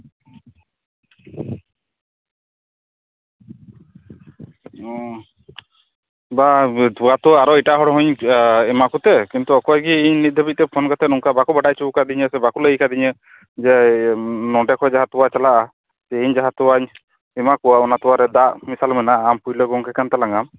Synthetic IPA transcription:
bat̪uat̪uaaɾɔiʈaɦɔɽɦɔɲɛmakut̪ɛkint̪uɔkɔaɡiːɲnit̪̚d̪ʱəbic̪̚t̪ɛpʰɔnkat̪ɛnuŋkabakubaʈajt͡ʃuukad̪iɲəsɛbakuləjkad̪iɲə | d͡ʒɛ | nɔɖɛkʰɔjd͡ʒaɦat̪uwat͡ʃalaʔa | sɛiɲd͡ʒaɦat̪uwaɲ | ɛmakuwaɔnat̪uwaɾɛd̪aʔmisalmɛnaʔːmpujlɔɡɔŋkɛkant̪alaŋam

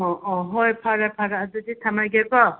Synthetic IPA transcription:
ɔʔɔɦɔjpʰaɾapʰaɾadudit̪ʰamajɡɛkɔ

